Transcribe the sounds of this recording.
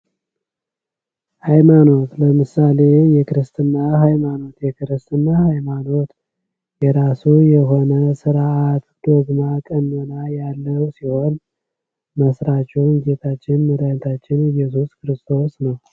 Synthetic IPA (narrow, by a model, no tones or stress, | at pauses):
hajmano̞t̪ləmɨsale̞jɛkɨɾɨst̪ʰɨnːaɦajmano̞t̪jɛkɨɾɨst̪ɨnːahajmano̞t̪ | jɛɾasujɛɦo̞nəsɨɾat̪d̪̥o̞ɡmakʼənːolajalːəwsiho̞n | məsɾat͡ʃʼːɛwnɡet̪ʰat͡ʃːɪnməd̪at̪ʰat͡ʃːɪnɨjɛs̬uskʰɨɾɨst̪ʰo̞snəw